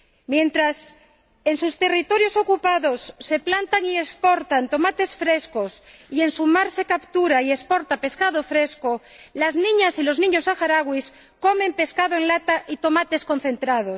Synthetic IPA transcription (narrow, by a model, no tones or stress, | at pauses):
mjẽnt̪ɾas | ensust̪e̞rit̪oɾjoso̞kupaðosːe̞plant̪aŋie̞spoɾt̪ant̪o̞mat̪e̞sfɾeskosie̞nsumaɾse̞kapt̪uɾaiespoɾt̪ape̞skaðofɾesko | laznĩɲasiloznĩɲosaxaɾaɣwis | komẽ̞mpe̞skaðoeŋlat̪aʔit̪o̞mat̪e̞sko̞n̟θe̞nt̪ɾað̞os